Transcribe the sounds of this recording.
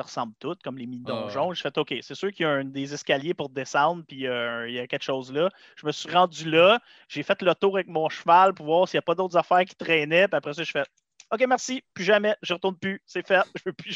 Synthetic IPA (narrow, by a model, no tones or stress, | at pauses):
səʁəsɑ̃ːblt̪ʊt̪̚kɔmleminɔ̃ʒɔ̃ʒefɛt̪okʲesesøːʁkʲjɔd̪ezɛskʲaljepʊʁd̪esɑ̃d̪ʁpiøijakʲɛlkʃoːzlʌ | ʒ̥əməsɥiʁɑ̃ːd͡zylʌ | ʒ̥efɛt̪lət̪uːʁavɛk̚mɔ̃ʃvalpuʁvwɑːʁsijapɔd̪owt̪zafæːʁkʲi̥t̪ʁɛnɛpiapʁɛs̬ɔʒi̥fɛt̪̚ | okʲemɛʁsipyʒamɛʒəʁət̪ʊʁnpysɛfɛt̪̚ʒəvøpy